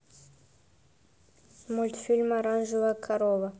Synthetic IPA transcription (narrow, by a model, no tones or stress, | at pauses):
multfilmaɾand͡ʒuβakʰaɾɔβa